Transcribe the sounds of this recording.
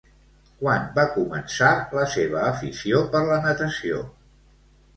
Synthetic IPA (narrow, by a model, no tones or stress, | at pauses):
kwanbakumənsaləseβəːfisiopəɾlənət̪əsio̰